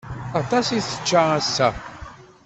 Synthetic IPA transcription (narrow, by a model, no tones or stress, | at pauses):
at̪ˤɑsiθə̥t͡ʃːaæsːæ